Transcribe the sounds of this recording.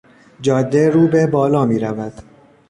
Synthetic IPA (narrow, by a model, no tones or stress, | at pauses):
d͡ʒɒːd̪ːeɾuːbebɒːlɒːmiːɾævæd̪̥